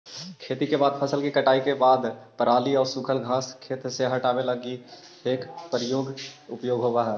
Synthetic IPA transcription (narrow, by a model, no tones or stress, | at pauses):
kʰeːt̪ikebaːd̪pʰəsəlkikəʈaːikebaːd̪pəɾaːliɔːɾsukʰəlɡʱaːskʰeːt̪seɦɐʈaːweləɡi | eːkpəɾɪjoːɡʊpjoːɡɦobaɦɛ